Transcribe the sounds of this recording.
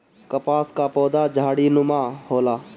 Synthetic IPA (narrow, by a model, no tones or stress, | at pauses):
kəpaːskapɔːd̪ad͡ʒʱaːɽinumahola